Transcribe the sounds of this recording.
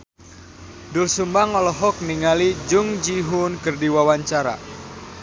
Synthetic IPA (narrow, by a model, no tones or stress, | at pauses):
dulsumbaŋɔlɔɦɔk̚niŋalid͡ʒʊŋd͡ʒiɦunkərdiwawaɲt͡ʃaɾa̰